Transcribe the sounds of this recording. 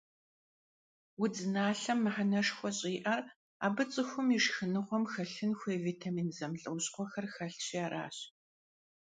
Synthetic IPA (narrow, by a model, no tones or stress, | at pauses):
wʊd͡zɨnaːɬɐmːɨħanɐʂxʷɔɕʼiːʔɐr | a̰ːbɨt͡sʼɨxʷʊmiʂxɨnɨʁʷɔmxɐɬɨnxʷeːviːtʰamiːnzɐmɮʼɨwʊɕʼqʷɔxɐrxɐɬt͡ɕiaːɾʔa̰ːɕ